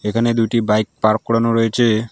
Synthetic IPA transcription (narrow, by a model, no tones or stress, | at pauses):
ekʰaned̪uʈibajk̚paɾkːɔɽanoɾɔet͡ɕʰe